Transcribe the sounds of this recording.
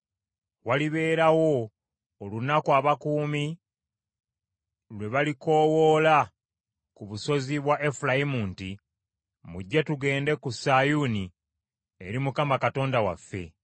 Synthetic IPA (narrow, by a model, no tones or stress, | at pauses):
waliβe̞ːɾawo̞ː | lunakwaβakuːmi | lwe̞βaliko̞ːwoːla | kuβuso̞ziβwaʔe̞fulaimuːnti | muɟːatuɡe̞ːnde̞kusajuni | eɾimukamakato̞ːndawa̰fːe̞̰